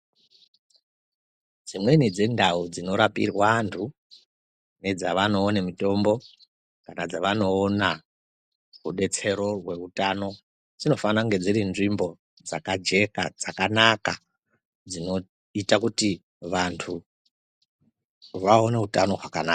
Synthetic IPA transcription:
d͡zimwe̞nid͡zendaud͡zino̞ɾapḭrwantʰu | ne̞d͡zaʋano̞ːnemito̞mbo̞ | kanad͡zaʋano̞ːna | ruɗe̞t͡se̞ɾo̞rwe̞utano̞ | d͡zino̞fanaŋɡe̞d͡ziɾinʐimbo̞ | d͡zakad͡ʒe̞ka̰d͡zakanaka | d͡zino̞ | itakuti | ʋantʰu | ʋaoneutano̞rwakana̰ːka

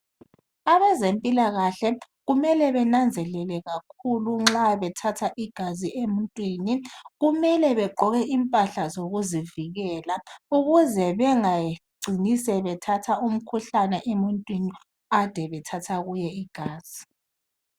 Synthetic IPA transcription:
aβɛzempʼilaɣaɬɛ | ɣumɛlɛβɛnand͡zʱɛlɛlɛɣak̚ʰuluŋ͡ǁaβɛtʰatʰaʔiɡ̥ʱaziʔemuntʼwiːniɣumɛlɛβɛǃʱɔɣɛʔimpʼaɬazoɣuziviɣɛːlauɣuzɛβɛŋaɡ͡ǀʱinisɛβɛtʰatʰaum̩kʰuɬanɛʔemuntʼwini | ad̥ʱɛβɛtʰatʰaɣujɛiɡ̥ʱaːz̥i

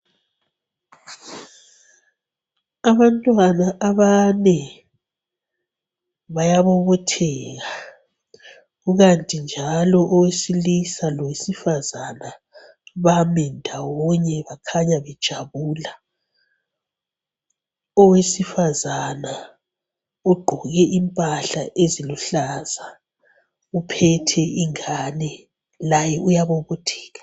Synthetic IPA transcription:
aβantʼwanaʔaβanɛ | βajaβɔβɔtʰɛːɣa | ɣuɣantʼind͡ʒʱalɔʔɔwesilisalɔwesifazana | βamɛndʱawɔɲɛβakʰaɲaβɛd̥ʒ̥ʱaβuːla | ɔwesifazana | uɡ͡ǃʱɔɣɛʔimpʼaɬa̰ʔeziluɬaza | upʰɛtʰɛiŋanɛ | lajɛʔujaβoβutʰi̥ːɣḁ

